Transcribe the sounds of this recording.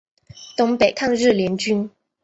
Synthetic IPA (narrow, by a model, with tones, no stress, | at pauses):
t̪ʊ˧˥ŋpe˨˩ɪkʰa˥˧ŋɻɻ̩˥˩ljɛ˧˥nt͡ɕy˥n